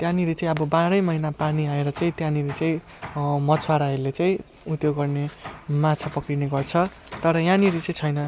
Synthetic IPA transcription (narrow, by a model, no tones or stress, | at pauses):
t̪jãniɾet͡saĩʌbʌbaɾʌjmʌɦinapaniãeɾʌt͡saĩt̪jãniɾet͡saĩ | mʌt͡sʰwaɾaelet͡saĩ | ut̪joɡːʌrnemat͡sʰapʌkrineɡʌrt͡sʰʌt̪ʌɾʌjãniɾit͡saĩt͡sʰʌjnʌ